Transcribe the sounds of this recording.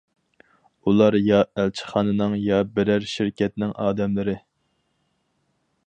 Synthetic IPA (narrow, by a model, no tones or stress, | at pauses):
ulˠɑɾjɑælt͡ʃʰɪ̥χɑːnɨnɨŋjɑbɪɾæɾʃɪɾkʲʰɛt̪nɪŋʔɑːd̪ɛmlɪɾɪ